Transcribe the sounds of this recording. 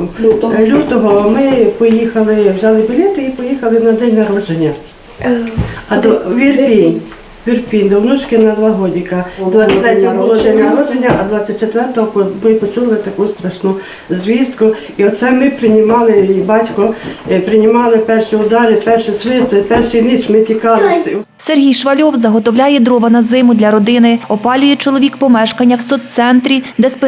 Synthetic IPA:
lʲut̪ɔɦɔmɪpɔjixɐlˠɪwzʲɑlˠɪbɔlʲɛt̪ɪipɔjixɐlˠɪnɐd̪ɛnʲnɐɾɔd͡ʒenʲːɐ | ɐd̪ʋʲirpʲin | ʋʲirpʲinʲd̪ɔwnut͡ʃkɪnɐd̪ʋɑɦɔdʲikɐd̪t̪ɾɛtʲɔbɦɔʊlˠɔd̪ɛnʲnɐɾɔd͡ʒenʲːɐʔɐd̪ʋɑt͡sʲːɐt̚ʲt͡ʃet̪ʋɛrt̪ɔɦɔpɔmɪpɔt͡ʃulˠɪt̪ɐkust̪ɾɐʃnʊ | zʲʋʲizt̪kʊ | iɔt̪sɛmɪpɾɪnʲɪmɑlˠɪbɑtʲkɔpɾɪnʲɪmɑlˠɪpɛrʃiʊd̪ɑɾɪpɛrʃɪsʋɪst̪ɔɪpɛrʃijnɪt͡ʃmɪtʲikɑlˠɪsʲ | serɦʲijʃʋɐlʲɔwzɐɦɔt̪ɔwlʲajɛd̪ɾɔʋɐnɐzɪmʊd̪lʲɐɾɔd̪ɪnɪɔpɑlʲʊjɛt͡ʃɔlˠɔʋʲikpɔmɛʃkɐnʲːɐwsɔt̪t̪sɛnt̪ɾʲid̪ɛsp

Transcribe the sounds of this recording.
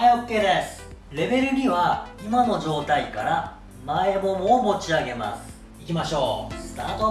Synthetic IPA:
hajokːe̞ːd̪e̞sɨ̥ɾe̞be̞ɾɯ̟ɾʲiβaimano̞ʑo̞ːt̪aikaɾa | mae̞mo̞moːmo̞t͡ɕiaɡe̞ma̰sɨ̥ | ikʲimaɕo̞ːst̪aːt̪o

